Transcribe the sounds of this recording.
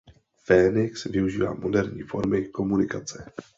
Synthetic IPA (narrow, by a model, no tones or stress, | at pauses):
fɛːnɪksvɪuʒiːva̰ːmo̞dɛɾɲḭːfo̞ɾmɪko̞munɪkat͡sɛ